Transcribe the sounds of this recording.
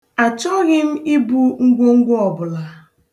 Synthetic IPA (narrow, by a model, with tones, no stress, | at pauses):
a˨t͡ʃɔ˦ɣɪ˦m̩˦i˦bu˦ŋ̩˦ɡʷo˦ŋ̩˦ɡʷɔ˨bʊ˨la˨